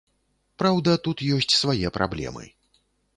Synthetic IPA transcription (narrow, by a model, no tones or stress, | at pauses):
pɾawd̪ɐt̪ut̪jɔsʲt͡sʲsvajɛpɾʔa̰blʲɛ̰mɨ̰